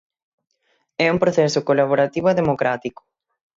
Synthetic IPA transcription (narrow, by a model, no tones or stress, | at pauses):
ɛuŋpɾoθɛsʊkolaβ̞oɾat̪iβʊaðemokɾat̪ikʊ̥